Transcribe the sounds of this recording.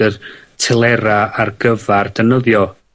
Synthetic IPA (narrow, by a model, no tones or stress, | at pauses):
ərtʰɛlˠɛɾaarɡəvard̥ənəðjɔ